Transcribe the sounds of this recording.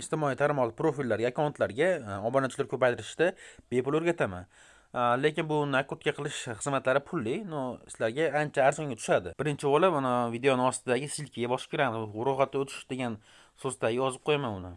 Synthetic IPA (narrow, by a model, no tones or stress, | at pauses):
ɪst̪ɪmɒit̪ʰaɾmɒʁlˠɪpɾofilːaɾɡʲaːkʰʲɒnat̪ʰlaɾɡʲaɒbɒnant͡ʃʰɪlaɾkʲʰɵpajt̪ʰɪɾɪʃt̪ab̥e̞pʊloɾɡʲat̪ʰama̰n | le̞kʲɪnbʊnakːot̪̚kʲaqʰɨlˠɪʃχɨzmat̪laɾɪpʰʊlːɪnosɪ̥laɾɡʲaant͡ʃʰaːɾzɒŋɡat̪ʰʊ̥ʃad̪ɪb̥ɪɾɪnt͡ʃʰɪbɒlˠɪanavid̪eonɪɒst̪ɪd̪aɡʲɪsilkʲɪɡʲabɒʃkʲɪɾamɪzɾɒʁat̪ːaot̪ʰɪ̥ʃd̪e̞ɡʲan | sozt̪ʰaɡʲɪjɒzɪp̚qʰojamanʊnɪ̰